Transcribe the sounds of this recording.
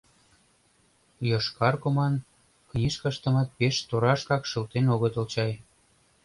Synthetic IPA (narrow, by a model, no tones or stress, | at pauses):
joʃkɑrkomɑn | knʲiʃkəʃt̪ə̆mɑt̪̚peʃt̪oɾɑʃkɑkʃə̆lt̪enoɣət̪ŏlt͡ɕɑj